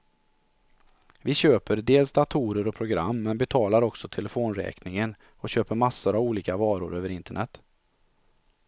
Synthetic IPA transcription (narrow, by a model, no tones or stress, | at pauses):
vɪɕøːpəɾd̪eːlsd̪at̪ʰuːɾəɾɔpʰɾʊɡɾa̰mːɛnbɛt̪ʰɑːlaɾɔksɔt̪ʰɛlɛfoːnɾɛ̰ːknɪŋən | ɔɕøːpəɾmasːʊɾavuːliːkavɑːɾʊ̰ɾøːvəɾɪnt̪əɳɛt̪ː